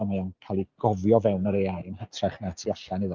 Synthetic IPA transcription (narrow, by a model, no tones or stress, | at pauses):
majawnkʰalˠiɡ̥ɔvjɔvɛwnəɾeajnhətʰraχnatʰiːaɬanɨðɔ